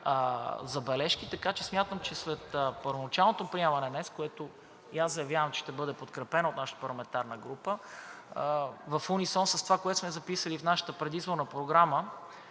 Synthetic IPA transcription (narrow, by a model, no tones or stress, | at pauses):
zɐbɛlɛʃk̟it̪ɐkat͡ʃɛsmʲjat̪əmt͡ʃɛsɾɛt̪əpəɾvonɐt͡ʃalˠnot̪opɾiɛmɐnɛnɛskoɛt̪o | jazzɐjɐvjavəmt͡ʃɛ̥ʃt̪ɛbɤd̪ɛpot̪kɾɛpɛnɐot̪naʃə̥t̪əpɐɾlˠɐmɛnt̪aɾnəɡɾupə | vɐfunisɔnsɐst̪ovakoɛt̪smɛzɐpisəlifnaʃə̥t̪əpɾɛd̪izboɾnəpɾoɡɾamə